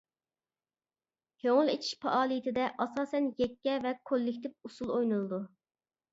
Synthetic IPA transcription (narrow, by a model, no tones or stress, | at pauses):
hoŋʊlˠet͡ʃʰi̥ʃpʰɑʔɑːlˠit̪ʰɪd̪ɛʔɑsɑːsɛnjɛkʲːɛvɛkʰolːɪkʲt̪ʰɪp̚usulˠojnulˠɨd̪u